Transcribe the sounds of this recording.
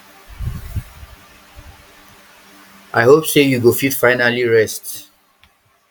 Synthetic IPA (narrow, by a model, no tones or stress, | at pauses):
ʔajhopsejuɡofitfajnaliɹɛst